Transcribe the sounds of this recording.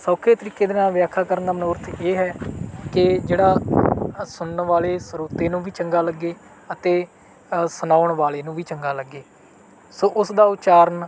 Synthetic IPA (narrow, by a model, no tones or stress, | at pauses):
soːkʰeːt̪əɾiːkeːd̪ɪnãːʋɪjaːkʰaːkəɾənd̪aːmənoːɾt̪ʰeːɦɛːkɪd͡ʒeːɽaː | sʊɳɳʋaːleːsɾoːt̪eːnũːʋiːt͡ʃəŋɡaːləɡːeː | ət̪eː | sʊnaːʊɳʋaːleːnũːʋiːt͡ʃəŋɡaːləɡːeː | soːʔʊsd̪aːʊt͡ʃaːɾən